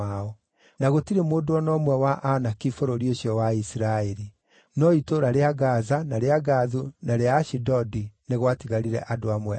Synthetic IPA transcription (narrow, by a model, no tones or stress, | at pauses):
aɔ | naɣotiɾemoːdoɔnɔmwɛwaʔanakifɔɾɔɾioɕiɔwaisiɾaɛɾi | nɔitoɾaɾeaɡazanaɾeaɡaðunaɾeaːʃidɔdineɣwatiɣaɾiɾɛ̰ʔadoamwɛ